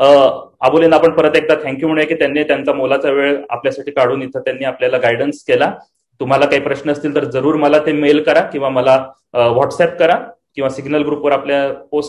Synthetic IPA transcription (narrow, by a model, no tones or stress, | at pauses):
əaboliːnapəɳpəɾət̪ek̚d̪at̪ʰɛ̃ŋkjum̤əɳ̃jekiːt̪janːiːt̪jant͡samolat͡saʋeɭa̰pljasaʈʰiːkaɽuːnit̪ʰət̪janːiːapljalaɡajɽənskela | t̪um̤alakaɦiːpɾəɕnəəst̪iːlt̪əɾd͡zəɾuːɾməlat̪emelkəɾakĩw̃ʋaməla | əʋɔʈsɛp̚kəɾa | kĩʋasiɡnəlɡɾupʋəɾapljaposʈ